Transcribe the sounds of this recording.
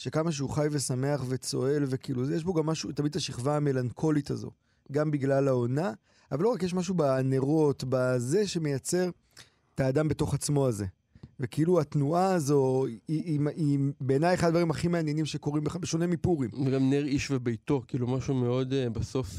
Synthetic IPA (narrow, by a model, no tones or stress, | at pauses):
ʃe̞kamaʃ̬euχajve̞same̞aχve̞t͡so̞̰e̞lve̞kiilujeʃ̬bo̞ɡamːaʃutamid̪taʃiχvaːme̞lankʰo̞lit̪a̰zo̞̰ | ɡambiɡlalao̞na | avalo̞ʁakjeʃ̬maʃ̬ubaneʁo̞tbaze̞ʃe̞me̞jat͡se̞ʁ | taːd̪ambe̞to̞χat͡smo̞aze̞̰ | vekeiluatnuaːzo̞iimibeːnajeχad̪vaʁimaχimeanjenimʃe̞ko̞ʁimbeχabeʃo̞ne̞mipuʁimveɡamneʁiʃvebejto̞kiːlumaʃumeo̞d̪baso̞f